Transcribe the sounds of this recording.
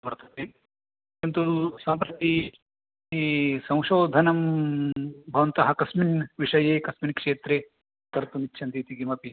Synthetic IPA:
bɐɾt̪ɐt̪e | ent̪usɐmpɾɐt̪i | sɐ̃w̃ʃoːd̪ʱɐnɐm | bʱɐʋɐnt̪ɐɦɐkɐsminʋiʂɐjeːkɐsminkʂeːt̪ɾe | kɐɾt̪umitːʃʰɐnt̪iːt̪iɡimɐpi

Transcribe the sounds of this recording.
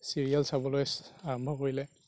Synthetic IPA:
siɹialsabɔlojsaɹɔmbʱɔkoɹilɛ

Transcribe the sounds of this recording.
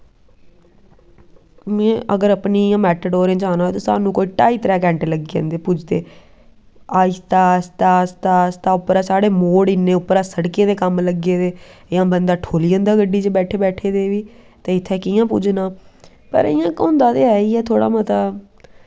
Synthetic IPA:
mɛ̃ːʔəɡəɾəpniːjãːmɛːʈəɖoːɾẽːt͡ʃaːnãːeːt̪õːsa̰ːnũːkoːiːʈaːiːt̪əɾɛːkɛ̃ːɳʈləɡiːã̰ːnd̪eːpʊd͡ʒd̪eː | aːɪst̪aːst̪aːst̪aːst̪aːʊpːɾaːsaːɽeːmoːɽɪnːẽːʊpːəɾaːsəɽkẽːd̪eːkəmləɡeːd̪eːjãːbənd̪aːʈʰoːlijə̃nd̪aːɡəɖːiːt͡ʃbɛːʈʰeːbɛːʈʰeːd̪eːʋiː | t̪ẽːɪt̪ʰːeːkɪjãːpʊ̰d͡ʒnaː | pə̰ɾɪ̰ːjãːkʊ̃nd̪aːt̪eːɛːiːɛːt̪ʰoːɽa̰ːmət̪aː

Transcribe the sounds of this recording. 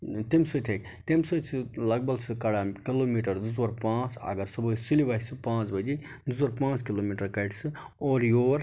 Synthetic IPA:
t̪imsɨt̪ʰek | t̪imsɨt͡sʰɨlɐɡ̚bɐlsɨkɐɽakiloːmiʈɐɾduzwɐɾpãːt͡sɐ̰ɡɐɾsɐbojsilibɐɦsɨpãːt͡sbɐd͡ʒi | d̪uzwɐɾpãːt͡skilomiʈɐɾkɐʈsɨ | oːɾjoːɾ

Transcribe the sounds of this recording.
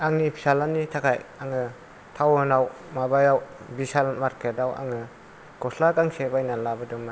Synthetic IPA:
aŋnipʰi̥salanitʰakʰajaŋɯ | tʰawɯnaw | mabajawbisalmaɾketawa̰ŋɯ | ɡ̥ɔslakaŋsebajnalabɯdɯŋma

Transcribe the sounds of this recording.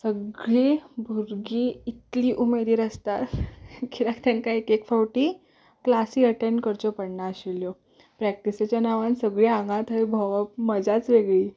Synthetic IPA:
səɡɭibʱuɾɡiːit̪liːʔumeɾiːɾəst̪at̪kʰiɾak̚t̪jankaekekfawʈiː | klasiːəʈeɳɖkəɾt͡ɕɔpəɽɳaːɕiljɔ | pɾæk̚ʈiset͡ɕjanaʋansəɡɭiãŋɡãt̪əjbʱɔʋaməd͡zat͡sʋeɡɭiː

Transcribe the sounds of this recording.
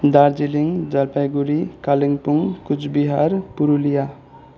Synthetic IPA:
d̪aɾd͡ʒiliŋd͡ʒalpajɡuɾikaliŋpuŋkud͡ʒbiɦaɾpuɾulija

